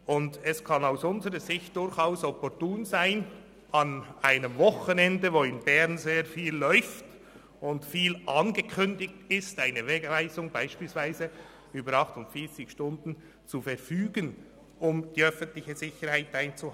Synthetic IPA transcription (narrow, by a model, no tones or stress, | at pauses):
ʔʊndɛskʰɑnaʊsʊnzəɾəzɪçt̚d̥ʊɾçaʊshɔpɔɾtuːnzaɪn | ɑnʔaɪnəmvɔχənɛndəvoːɪnbɛʁnzeːɾfiːlːɔʏft | ʊntfiːlʔɑnɡəkʰʏndɪk̚tɪstaɪnəveːɡvaɪzʊŋbaɪʃpiːlsv̥aɪzə | yːbəɾɑχtʊntfiːɐt͡sɪçʃtʊndn̩ | t͡sufɛɾfyːɡən | ʊmd̥iːœfən̩tlɪçəzɪçəɾhaɪtaɪnt͡suh